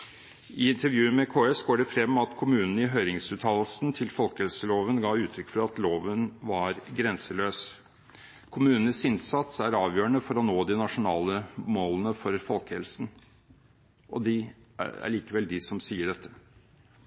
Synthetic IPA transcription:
ɪɪnt̪əɾʋjʉːəmɛkʰoːɛsɡoːɖɛfɾɛmːɑt̪kʰʊmʉːnn̩ɪɦœʏɾɪŋsʉːt̪ʰɑːləsnt̪ʰɪlfɔlkəhɛlsəloːʋənɡɑːʉːt̪ʰɾʏkːfɾɑɑt̪loːʋənʋɑɾɡɾɛnsəløːs | kʰʊmʉːnən̩əsɪnsɑt̪sæɾɑːʋjøːəɳəfɔɾɔnoːd̪ɪnɑʂʊnɑːləmoːlənəfɔɾfɔlkəhɛlsn̩ | ʔɔ̰d̪ɪæ̰ɭiːkəʋɛld̪ɪsɔmsiːəɖɛt̪ʰːə

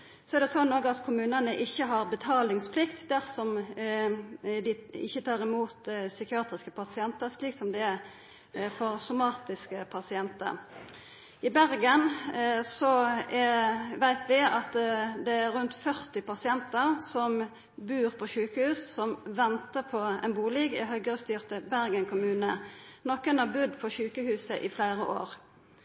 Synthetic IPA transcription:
sɔɛɾd̪ɛsɔnnoːɡəɑt̪kʰʊmʉːnənəʔɪçːəɦɑʁbət̪ʰɑːlɪŋspʰlɪkt̪d̪æʁsɔm | d̪ɪɪ̰çːət̪ʰɑːʁɪmuːt̪sʏkɪɑːt̪ɾɪskəpʰɑsɪɛnt̪əɾsliːksɔmd̪ɛæɾ | fɔʁsʊmɑːt̪ɪskəpʰɑsɪɛnt̪ə̰ʁ | ɪbæʁɡənsɔɛʋæɪt̪ʰʋɪɑt̪d̪ɛæɾːʉnt̪fœʁt̪ɪpɑsɪɛnt̪əʁsɔm | bʉːʁpʰɔʃʉːkəhʉːssɔmʋɛnt̪əpʰɔɛ̰nbuːlɪɡɪ̰ɦœɡəʁəst̪yːʁt̪əbæʁɡəŋkʰʊmʉːnənɔkːənɑbʉd̪pʰɔʃʉːkəhʉːsəʔɪflæɪʁəʔo̰ːʁ

